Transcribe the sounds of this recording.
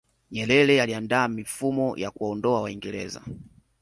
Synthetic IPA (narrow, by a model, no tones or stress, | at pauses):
ɲɛlɛlɛjaliandaːmifumɔja̰kuaɔndɔawaiŋɡɛɾɛ̰za̰